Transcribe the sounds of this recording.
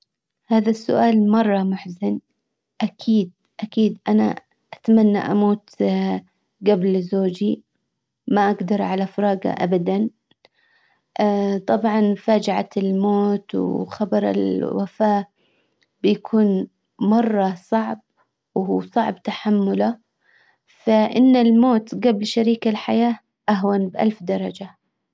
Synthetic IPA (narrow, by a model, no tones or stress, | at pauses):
haːðasːʊ̰ʔaːlmɑrˤːɑmʊħzɪn | ʔakʰiːd̪̚ | ʔakiːd̪ʔana̰ | ʔat̪manːa̰ʔamuːt̪ | ɡablzoːd͡ʒi | maʔaɡd̪ɑɾˤʕalafɑɾˤɑːɡa̰ʔabad̪an | t̪ˤɑbʕɑnfaːd͡ʒaʕa̰t̪ɪlmoːt̪wxɑbɑɾˤɪ̰lwa̰faː | b̥ɪjakʰuːn | mɑrˤːɑsˤɑʕb̚ | wɦuːsˤɑʕbt̪aħamːʊla | faʔɪnːɪlmoːt̪ɡablʃaɾiːkalħajaː | ʔaɦwanbʔa̰lfd̪ɑɾˤɑd͡ʒa